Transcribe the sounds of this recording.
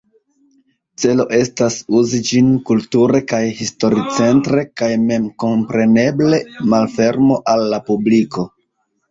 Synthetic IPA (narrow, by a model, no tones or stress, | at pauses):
t͡se̞lo̞ʔe̞stasuzid͡ʒinkultuɾe̞kajhisto̞ɾit͡se̞ntɾe̞kajme̞mko̞mpɾe̞ne̞ble̞malfe̞ɾmo̞ʔalːapubliko̞